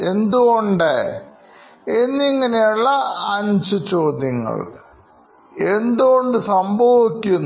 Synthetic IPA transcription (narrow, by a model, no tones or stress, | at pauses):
e̞nd̪uɣo̞ɳɖe | enːiŋːɐnejuɭːɐːɲd͡ʑɨt͡ɕo̞ːd̪jɐŋːɐ̰ɭ | e̞nd̪uɣo̞ɳɖɨsɐmbʱɐʋikʲːunː